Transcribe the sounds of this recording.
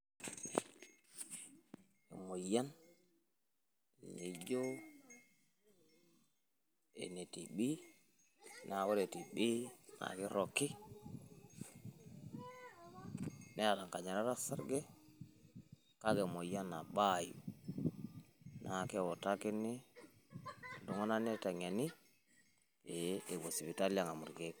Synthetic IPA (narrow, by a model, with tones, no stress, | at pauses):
ḛ˨mo˨ja˦n˨ | ɲi˨d͡ʒo˦ | ḛ˨ne˨ti˨ɓi˦ | na˨wo˦ɾe˨ti˨ɓi˦na̰˨ki˦ɾo˨kːi˦ | ne˦a˨da˨ŋka˨ɲa˨ɾa˦ɾa˦sa˦ɾɡe˦ | ka˦ɡe˨mo˨ja˦na˨ɓa˦˨jḭ˨ | nʔa˨ke˦wo˨ta˦ki˦nːi˦˨ | du˨ŋa˦na˦ne˦ta˨ŋe˨ni˦ | e˨e˨bo˨si˨bi˨ta˦lja˨ŋa˨mu˨ɾɡe˦k